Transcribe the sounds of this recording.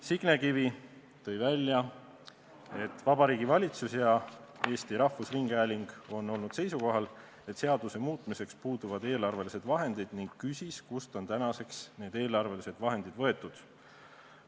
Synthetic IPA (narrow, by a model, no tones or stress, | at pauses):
siɡ̥nekivi | t̪ɤ̞jvælʲːjɑ | e̞t̪ːˑvɑb̥ɑɾiːɡivɑlʲit̪susjɑe̞ːst̪iɾɑhːusriŋɡ̥æːlʲiŋɡ̥o̞nːo̞lnud̪̥se̞jsuko̞ɦɑl | e̞t̪ːˑse̞ɑd̪̥use̞muːt̪ˑmise̞kspuːd̪uvɑd̪e̞ːlɑrve̞lise̞d̪̥vɑɦe̞nd̪̥id̪̥niŋɡkysʲiskust̪o̞nt̪ænɑse̞ksne̞ːd̪̥e̞ːlɑrve̞lise̞d̪vɑɦe̞nd̪̥id̪̥vɤ̞e̞t̪ːˑud̪̥